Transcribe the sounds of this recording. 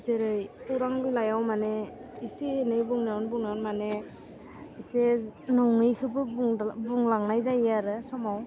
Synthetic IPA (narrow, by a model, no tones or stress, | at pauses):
zɯɾɯjuɾaŋlulajawmane | isenɯjbuŋnawɔnbuŋnaɔnmane | isenɔŋɯjkʰɯbɯbuŋlaŋnajzajaɾɯsɔmaw